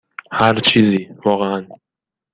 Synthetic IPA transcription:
haɾt͡ʃʰizivɒʁean

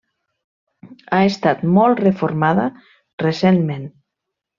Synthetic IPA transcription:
aest̪at̪mɔlˠt̪refoɾmaða | resenmen

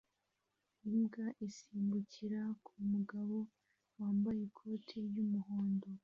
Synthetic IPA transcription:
imɡaʔisiːmbuciɾakʰumuɡaβo̞ | waːmbajekʰo̞ːtʰijumuho̞ːndo̞

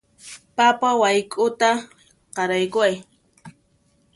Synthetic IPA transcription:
papawajkʼʊt̪a | qɑɾajkʊaj

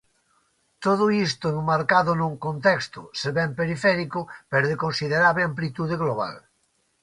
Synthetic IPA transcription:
t̪oð̞ʊist̪ʊenumaɾkaðʊnuŋkont̪ɛkst̪ʊ̰seβɛmpeɾifɛɾikʊpeɾoðekonsiðeɾaβleãmplit̪uðeɣloβ̞a̰l

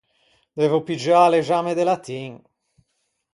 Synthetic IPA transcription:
d̪ɛvopid͡ʒaːleʒamed̪elat̪iŋ

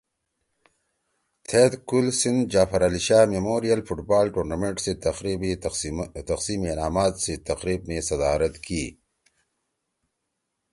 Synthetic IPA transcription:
t̪ʰet̪kulsind̪d͡ʒaːfɐɾɐliʃaːmemoːɾijɐlfuʈbaːlʈuːɾnameɳʈseɾibi | t̪ɐqsimenaːmaːt̪set̪ɐqɾiːbnesɐd̪aːɾɐt̪kʰiː

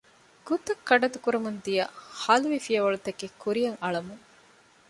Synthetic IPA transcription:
ɡ̥ut̪ɐkːɐɖɐt̪ukuɾɐmund̪ijɐhɐluʋifijɐʋɐɭut̪ɐkːekːuɾijɐŋɐɭɐmuŋ

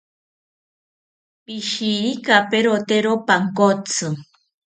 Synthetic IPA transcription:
piʃiɾikapeɾot̪eɾopaŋkot͡sʰɨ

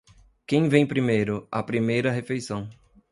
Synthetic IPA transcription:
kẽj̃vẽj̃pɾimejɾʊɐpɾimejɾɐɦefejsɐ̃w̃

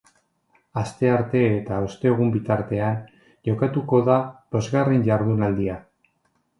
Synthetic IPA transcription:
ast̪e̞aɾt̪e̞ːt̪aost̪e̞ːɣ̞umbit̪aɾt̪e̞an | ʝo̞kat̪uko̞ðaβo̞zɣarenʝaɾðunald̪ia

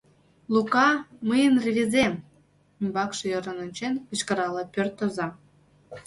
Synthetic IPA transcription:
lukɑməjənreβʲizem | imbɑkʃĕjoɾə̆nə̆nʲt͡ɕenkə̆t͡ɕkə̆ɾɑlɑpørt̪ozɑ

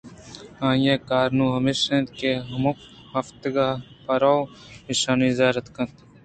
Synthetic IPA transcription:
ãːjekaːɾnuːɦɐmiʃẽːnd̪keɦɐmuk | hɐft̪ɡaː | pɐɾaw | iʃaːniːzjaːɾɐt̪kɐ̃nt̪

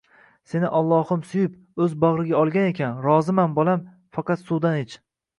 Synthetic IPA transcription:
se̞nɪʔalˠːɒhʊmsʊjʊp | ɵzbaʁɾɪɡʲaɒlˠɡʲane̞kʲʰanɾɒzɪmanbolam | fɑqʰɑt̪sud̪anet͡ʃ

